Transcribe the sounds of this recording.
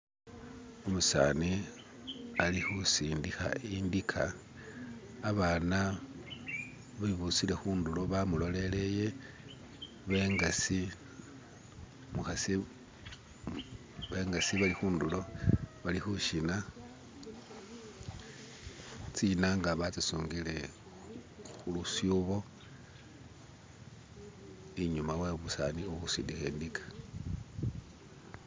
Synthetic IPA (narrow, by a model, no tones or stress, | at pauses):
omusa̰ni | alixusiːndixa̰indikʰa̰ | βaːna | βaiβusile̞xuːndulo̞βamulo̞le̞le̞je̞ | βeŋɡasi | muxasi | βeŋɡasiβalixuːndulo̞βalixuʃina | t͡sinaŋɡaβat͡sisuːŋɡile̞ | xulusjuβo̞ | iɲumaweβusa̰nioxusḭdixeːndikḁ